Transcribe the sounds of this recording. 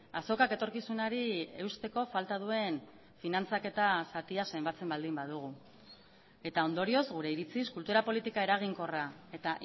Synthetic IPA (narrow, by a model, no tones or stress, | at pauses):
aso̞kake̞t̪o̞ɾkisunaɾie̞ust̪e̞ko̞falt̪að̞ue̞n | finant͡sake̞t̪asat̪iase̞mbat͡se̞mbald̪imbað̞uɣ̞u | e̞t̪ao̞nd̪o̞ɾio̞zɣuɾe̞iɾit͡siskult̪uɾapo̞lit̪ikae̞ɾaɣ̞iŋko̞rae̞t̪aʔ